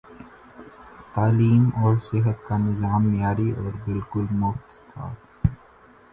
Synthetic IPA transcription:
t̪aːliːmɔːɾsɪɦət̪kanɪzaːmnjaːɾiɔːɾbɪlkʊlmʊft̪t̪ʰa̰ː

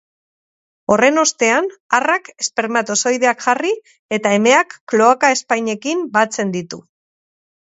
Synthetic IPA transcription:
o̞re̞no̞st̪e̞anarake̞spe̞ɾmat̪oso̞jðe̞akʝari | e̞t̪ae̞me̞akːlo̞akae̞spajɲe̞kimbat͡se̞nd̪it̪ṵ

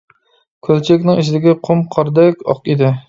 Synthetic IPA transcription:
kʲʰølt͡ʃʰɛkʲnɪŋiʃʰɪd̪ɪɡʲɛqʰʊmqʰɑɾd̪ɛkʲɑ̰qed̪ɪ

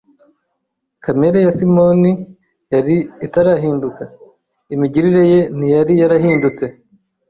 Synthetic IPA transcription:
kame̞ɾajasimo̞ni | jaɾiːtaɾaɦiːnduka | imiɟiɾiɾe̞je̞n̥ijaɾijaɾahiːndut͡se̞

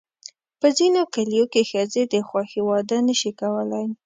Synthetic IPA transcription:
pəzinokalijokexəzed̪əxwɑxiwɑd̪anəʃikawəlaj

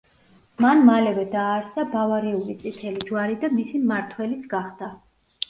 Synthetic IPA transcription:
manmalɛvɛd̪aːɾsabavaɾɛulit̪sʼit̪ʰɛlid͡ʒwaɾid̪amisimaɾt̪ʰwɛlit̪sʰɡaχd̪̥a

